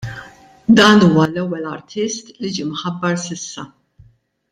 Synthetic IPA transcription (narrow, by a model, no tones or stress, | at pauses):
d̪ɐːnuːwɐlɛwːɛlɐɾt̪ʰɪst̪lid͡ʒiːmħɐbːɐɾsɪsːɐ̰